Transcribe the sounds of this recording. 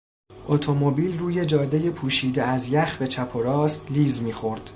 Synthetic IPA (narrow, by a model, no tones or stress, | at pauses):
ʔot̪ʰo̞mobiːlruːje̞d͡ʒɒːd̪eje̞pʰuːʃiːd̪eæzjæxbe̞t͡ʃʰæpʰo̞ɾɒːst̪liːzmiːxo̞ɾd̪̥